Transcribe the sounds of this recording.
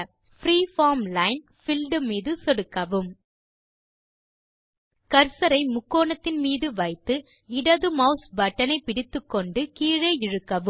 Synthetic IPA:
fɾiːfaːɾmlɐɪn | fɪlɖɯmiːðɯsɔɽɯkːɐʋɯm | kɐɾsɐɾɐɪmʊkːoːnɐt̪ːɪnmiːðɯʋɐɪt̪ːɯ | ɪɽɐðɯmɐʊsbɐʈːɐnɐɪpːɪɽɪt̪ːɯkːɔɳɖɯkiːɻeːɪɻɯkːɐʋɯ

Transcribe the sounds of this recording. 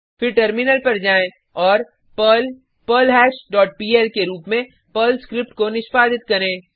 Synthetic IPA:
fɪɾʈəɾmɪnəlpɐɾd͡ʒaːẽ | ɔːɾ | pəlɦɛːʃɖɔːʈ̚piːɛːlkeɾuːpmẽ | pəlskɾɪp̚ʈkonɪʃpaːd̪ɪt̪̚kɐɾẽː

